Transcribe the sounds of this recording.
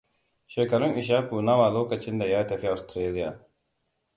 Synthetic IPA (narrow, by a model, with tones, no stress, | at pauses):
ʃeː˨kɐ˨ɾʊ˦ŋʔɪ˨ʃ̬aː˦ku˨na˦waː˨loː˦kɐ˨t͡ʃɪ˦nda˨jaː˦tɐ˨ɸi˦ʔa˨stɾeː˦lɪ˦jaː˨